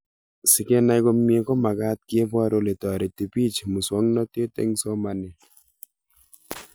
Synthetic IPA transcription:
sɪ˨ke˦na˦jko˦m˦e˦kɔ˦ma˨ka˦t̪̚ki˦e˦pɔ˦ɾo˦le˨tɔ˨ɾe˨t̪i˨pi˦t͡ʃmu˨swɔ˦ŋnɔ˦te˦tḛ˦ŋsɔ˦ma˨ni˨

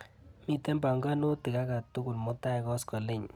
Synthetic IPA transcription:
mi˦˨tɛ˦mba˨ŋɡa˦no˦tɪ˨ka˦ka˨tu˦kʊ˨lmʊ˦ta˦ɪ˨˦kɔ˦skɔ˨lɪ˦ɲ

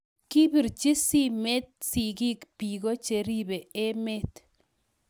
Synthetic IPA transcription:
ki˦bi˨ɾt͡ʃi˦si˦me˦t̪̚si˨ki˦kpi˨ɡo˦t͡ʃe˨ɾi˦be˨e˦me˦t

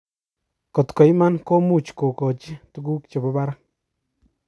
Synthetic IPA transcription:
kɔ˨t̪kɔ˨jma˦nko˦mu˦˨t͡ʃko˨kɔ˨t͡ʃi˦t̪u˦ɡu˦k̚t͡ʃe˨ba˦ba˦ɾa˦

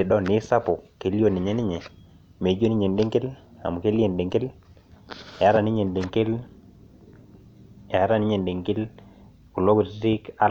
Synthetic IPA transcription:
e˨dɔ˦nɪ˨˦sa˦po˨ke˨˦ljo˦˨ni˨ɲɛ˦nɪ˦ɲɛ˨ | me˨˦d͡ʒo˦ni˦ɲe˨nde˦ŋke˦la̰˨mu˨ke˦li˦e˨nde˨ŋke˦l | ɛ˨a˦ɾa˨nɪ˦ɲe˨nde˨ŋke˦l | ɛ˨a˦ɾa˨nɪ˦ɲe˨nde˨ŋke˦l | ku˨lo˦ɡu˨˦ɾi˦ka˦

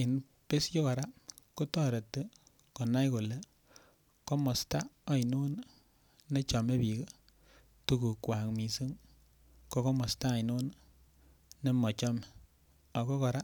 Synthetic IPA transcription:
i˨n | pe˦sjɔ˦kɔ˨ɾa˦ko˦tɔ˦ɾe˨tːe˦ | ko˨na˦jko˨le˨ | kɔ˦mɔ˨sta˦a˨i˨nu˦nː | e˦t͡ʃɔ˨me˦pi˨ko˦ | tu˦ku˨kwa˨kmi˨si˦ŋ | kɔ˦kɔ˦mɔ˨staː˦˨i˨nu˦n | ne˦mɔ˨t͡ʃɔ˦me˨ | a˨kɔ˦kɔ˨ɾa˦

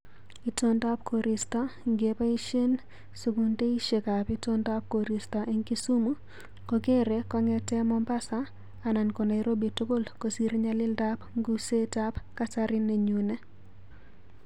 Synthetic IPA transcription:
i˨to˦nda˦p̚kʰo˨ɾi˨stɔ˦ŋɡe˨pa˦i˦ʃe˦n | su˨ɡu˨nte˦i˦ʃe˨ka˨pi˦to˦nda˦p̚ko˨ɾi˨sta˨ʔe˦ŋki˦su˦mu˦ | kɔ˦ɡe˦ɾe˨kɔ˦ŋɛ˦tɛ˦mɔ˦mpa˦saː˨ | na˨nko˨na˨i˨ɾo˦bi˨tu˦ko˦lko˨si˦ɾɲa˦lɪ˦lda˦pŋɡu˦se˦ta˦pka˦sa˦ɾɪ˦ne˨ɲu˨nɛ˦

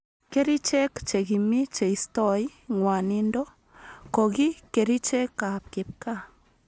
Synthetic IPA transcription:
ke˦ɾi˦t͡ʃɛ˦kt͡ʃe˨ɣi˨mi˦t͡ʃe˨istɔ˦jŋwa˨nindo˦ | ko˨ki˦ke˨ɾi˦t͡ʃɛ˦kːa˨p̚kɪ˨p̚ka

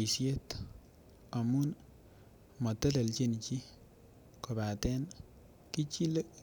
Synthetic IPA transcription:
i˨sje˦t | a˨mu˦n | mɔ˨tɛ˦de˨lt͡ʃe˦nt͡ʃi˦ | ko˨ba˨tɛ˦n | ki˦t͡ʃi˦le˦

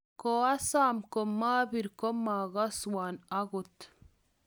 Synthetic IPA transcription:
koa˦saːmko˨maː˦bi˨ɾko˦ma˨ɡa˦swa˨na˦ɡo˨t̪

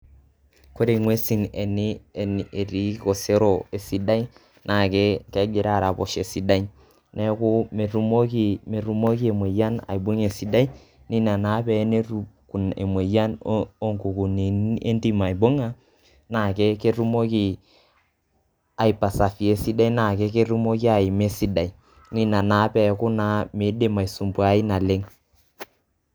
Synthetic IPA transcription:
ko˦ɾe˨i˨ŋwe˦si˦˨ŋe˨nɪ˦˨n˨e˨ɾi˨˦ko˨se˦ɾo˨e˨si˦da˦i˦ | na˨ke˦ke˦ɡɪ˨ɾa˦˨ɾa˨po̰˨ʃe˨si˨da˦i | nɛ˦ku˦me˨ɾu˦mo˦ki˨me˨ɾu˦mo˦ki˦e˨mwe˨ja˦na̰˨i˨bo˦ŋe˨si˨˦da˦i˦ | ni˦na˨na˨˦pɛ˦ne˦ɾu˦ku˨nḛ˨mwe˨ja˦no˦ŋku˨ku˨ne˨e˦ndi˦ma˨i˨bo˦ŋa˦ | na˨ke˦ke˦ɾu˦mo˦ki˨ | a˨i˨pa˨sa˨fi˨e˨si˦da˦i˦na˨ke˦ke˦ɾu˦mo˦k̬i˦a˨i˨me˦si˦da˨i˦ | ni˦na˨na˨˦pɛ˨kʊ˦na˨˦me˨˦de˦˨ma˨i˨su˨mbu˦a˦i˦na˨le˦ŋ

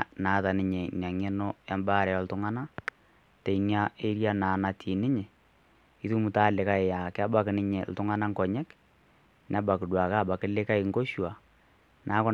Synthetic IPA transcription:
naː˨˦ta˨nɪ˦ɲe˨n˨a˨ŋe˦no˦a˦mbaː˦˨ɾɛ˨jɔ˦l̩˦tʊ˦ŋa˦na˦ | te˨i˨ŋja˦e˦ɾja˦naː˨na˨tʰi˨nɪ˦ɲe˨ | ɪ˦tu˦mu˨ta˦lɪ˨ka˦ɪ˨ja˨kɪ˦a˦ba˦kɪ˨nɪ˦ɲe˨l̩˨tʊ˦ŋa˦na˦ŋkɔ˨ɲɛ˦k | n˦a˦ba˨kɪ˨dwa˨ka˦˨ba˨kɪ˦lɪ˦ka˦ɪ˨˦ŋko˦ʃwa˨ | nʔa˨˦kʊ˦

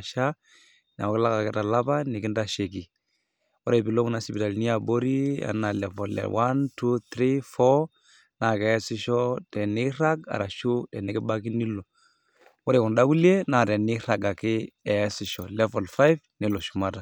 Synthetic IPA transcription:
ʃa˦ | n˨a̰˨˦kɪ˦la˦ka˨kɪ˦da˨la˦ba˦nɪ˨kɪ˦nda˦ʃe˨ki˨ | wɔ˦ɾe˨bi˨lo˦ŋ˦na˨si˨bi˨ta˨lni˦a˨bo˦ɾi˦a̰˨na˨lɛ˨vɔ˨lɛ̰˨wʔa˦ntu˦t̪ɾi˦fɔ˦ | na˨kɛ˨ɛ˦sɪ˦ʃɔ˦tɛ˨nɪ˦ɾa˦ɡa̰˨ɾa˨ʃu˦tɛ˨nɪ˦kɪ˦ba˦ki˦ni˦lo˨ | wɔ˦ɾe˨kɔ˨nda˦ku˦li˦e˦na˨dɛ˨nɪ˦ɾa˨ɡa˨kɪ˦ɛ˨˦sɪ˨ʃɔ˨lɛ˦vɔ˨lfa˦jfnɛ˨lɔ˨ʃu̥˨ma˨ta˨

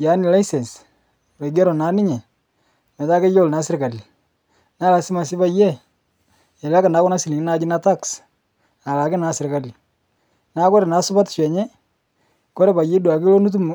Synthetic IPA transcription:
ja˨˦nɪ˨la˦jsɛ˨ns | ɾe˨ɡɛ˦ɾɔ˨naː˨˦nɪ˦ɲɛ˨ | mɛ˨ta˦ke˦jo˦˨lna˨˦sɪ˦ɾka˨li˨ | na˦la˨sɪ˦ma˨sɪ˦ba˦jɛ˦˨ | ɛ˨la˦ka˨na˨˦kɔ˦na˦si˨li˨ŋɪ˦na˦d͡ʒɪ˦na˦ta˦ks | a˨la˨kɪ˦na˨˦sɪ˨ɾka˨li˨ | na˦kɔ˦ɾɛ˨na˨˦sʊ˦ba˦tʃɛ˨ɲɛ˦ | kɔ˦ɾɛ˦ba˨je˦dwa˨kɪ˦lo˦nu˦t̬u˦m˨

